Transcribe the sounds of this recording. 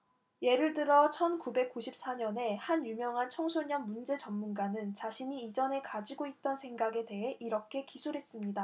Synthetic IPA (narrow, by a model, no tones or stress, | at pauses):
je̞ɾɯɭdɯɾʌt͡ɕʰʌnkube̞k̚k͈uɕʰip̚s͈aɲʌne̞hanjumjʌŋɦant͡ɕʰʌŋsʰoɲʌnmund͡ʑe̞t͡ɕʌmmunɡanɯnt͡ɕaɕʰiɲiːd͡ʑʌne̞kad͡ʑiɡoit̚t͈ʌnsʰe̞ŋɡaɡe̞de̞ɦe̞ʔiɾʌkʰe̞kisʰuɾɦe̞s͈ɯmɲida